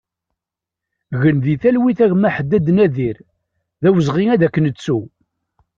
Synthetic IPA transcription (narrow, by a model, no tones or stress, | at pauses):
ɣənðiθælwiθæʝmæħəd̪ːæd̪næðiɾ | ðæwəzʁiŋæðækːənət͡sːu